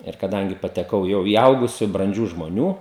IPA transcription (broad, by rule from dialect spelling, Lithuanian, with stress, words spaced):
ɪr kɐˈdɐŋʲɡʲɪ pɐtʲɛˈkɐʊ ˈjɛʊ iː ˈɐʊɡʊsʲʊ brɐnʲˈd͡ʒʲuː ʒmoːˈnʲuː